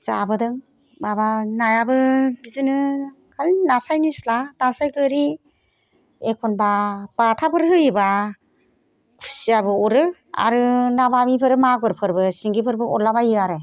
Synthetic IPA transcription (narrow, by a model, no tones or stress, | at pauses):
z̥abɯdɯŋ | babanajabɯɡizɯnɯ | kʰalnasajnislanasajɡɯɾi | ekʰɔnbab̥atʰapʰɯɾɦɯjiba | kʰu̥siabɯuɾɯ | a̰ɾɯnabamipʰɯɾɯmaɡɯɾpʰɯɾbɯsiŋɡipʰɯɾbɯɔlabajɯaɾe